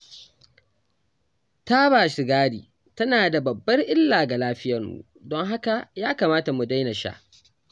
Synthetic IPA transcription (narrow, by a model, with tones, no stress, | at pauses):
ta˦baː˨ʃɪ˨ɡaː˦ɽḭː˨ | tɐ˦naː˨da˨bɐ˨bːɐ˦rʔɪ˦lːaː˨ɡa˨laː˦ɸɪ˦jɐ˨rmṵ˨ | dɔ˦ŋɦa˦ka˨jaː˦kaː˨maː˦ta˨mu˨da˦jnɐ˨ʃa̰ː˦ʔ